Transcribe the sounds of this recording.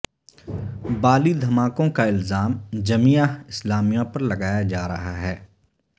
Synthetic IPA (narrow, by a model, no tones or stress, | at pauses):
baːlid̪ʱɐmaːkõkaɪlzaːmd͡ʒɐmijaɪslaːmijãpɐɾlɐɡaːjad͡ʒaːɾɐ̰ɦaɦɛː